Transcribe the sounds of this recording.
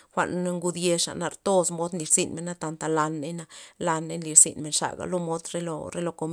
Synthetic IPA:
xʷa̰˧ʔn˦ŋɡu˧d̪je˧ʂa̰˨na˧ɾt̪o˦smo˦d̪nli˨ɾsi˧nme˨nːa˦t̪a˧nt̪a˨la˧nːe˦na˧la˧nːe˦nli˧ɾsḭ˨nme˨nʂa̰˨ɡa̰˨lo˦mo˦d̪ɾe˦lo̰˧ɾe˦lo˧ko˧m

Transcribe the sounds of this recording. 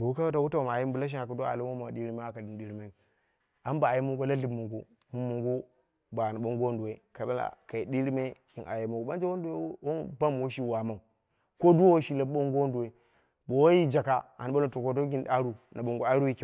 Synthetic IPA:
bo˨˦ka˦a˦ta˦wu˦ta˦wo˨ma˨ji˦m˦bu˨la˦ʃ̬i˦a˨ka˨du˦a̰˨lu˦o˦ma˨ɗi˦ɾi˦me˦a˦ka˨i˨nɗi˦ɾi˦me˦˨ | a˨˦m˦ba˨a˨ji˦mu˦ŋɡo˦la˦ɮi˦bmu˨ŋɡu˦ | mu˦mu˨ŋɡu˦ | ba˨na˨ɓo˦ŋɡo˦ndu˨we˦ka˨˦a˦la̰˨ka˨i˨di˦ɾi˦me˦ki˨nʔa̰˨je˨mu˨ɡu˨ɓa˦nd͡ʒe˦wo˦du˦e˦wo˦ba˦m˨wo˦ʃi˦wa˨ma˨u˨ | ko˦du˦o˦wo˦ʃi˦la˨˦ɓo˦ŋɡo˦ndu˨we˨ | bo˨wo˦ji˦d͡ʒa˨ka˨a̰˨n˨˦o˦lo˨to˨ko˦do˦ɡi˦n˦a˦ɾu˦nʔa˨ɓo˨ŋɡo˨a˦ɾu˦ji˦ke˨

